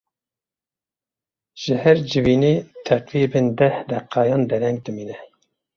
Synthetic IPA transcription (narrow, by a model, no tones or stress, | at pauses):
ʒ̥ɨhɛɾd͡ʒɨviːneːt̪ʰɛqviːbɨnd̪ɛhd̪ɛqːɑːjɑːnd̪ɛɾɛŋɡ̚d̪ɨmiːnɛ